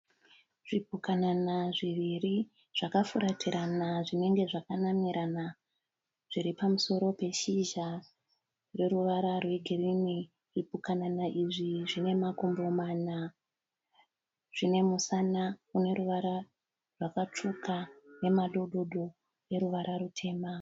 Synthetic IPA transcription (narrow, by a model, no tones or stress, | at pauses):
ʐ̥ip̚ukananaʐiʋiri | ʐ̥akafuɾatiɾanaʐine̞ŋɡe̞ʐakanamiɾana | ʐ̥iɾipamuso̞ɾo̞pe̞ʃiʒa | re̞ɾuʋaɾarwe̞ɡʱirimi | ripukananaʔiʐiʐine̞mako̞mbo̞mana | ʐ̥ine̞musanakune̞ɾuʋaɾa | rwakat͡ʂukʰane̞maɗo̞ɗo̞ɗo̞ | re̞ɾuʋaɾʔaɾutʰe̞ːma